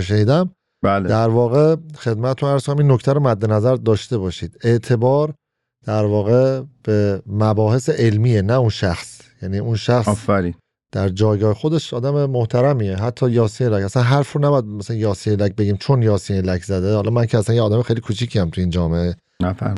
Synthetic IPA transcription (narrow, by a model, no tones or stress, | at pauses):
ʃeniːd̪æm | bæld̪æɾvɒːɣe̞xe̞d̪̚mæt̪ʰet̪ʰunæɾzkomæminːo̞cʰt̪ʰæɾomæd̪ːe̞næzæɾd̪ɒːʃt̪e̞bɒːʃiːd̪e̞ʔt̪ʰe̞bɒːɾ | d̪̥æɾvɒːɣe̞b̥emæbɒːhe̞seʔelmiːjenæunʃæxsjæniːʔunʃæxsfæɾi | d̪̥æɾd͡ʒɒːjɡɒːhexo̞d̪e̞ʃɒːd̪æmemoht̪ʰæɾæmiːeɦæt̪ʰːɒːjɒːsiːnelæcæsænɦæɾfɾonæbɒjæd̪mæsælænjɒːsiːnelæc̚beɟiːmt͡ʃʰo̞njɒːsiːnelækʰzæd̪ehɒlɒmæŋcʰeæsænjeːd̪æmexejlikʰuːt͡ʃʰicʰiæmt̪ʰuiːnd͡ʒɒːme̞ʔe | næfæ̰ɾm